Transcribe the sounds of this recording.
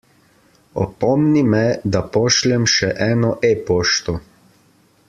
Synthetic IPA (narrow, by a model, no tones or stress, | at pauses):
ɔ̰pɔmnimɛd̪apɔʃlɛmʃɛʔɛːnɔʔepoːʃt̪ɔ